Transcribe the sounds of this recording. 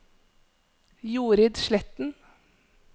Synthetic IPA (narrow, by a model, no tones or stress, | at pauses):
juːɾɪd̪ʃlɛt̪n̩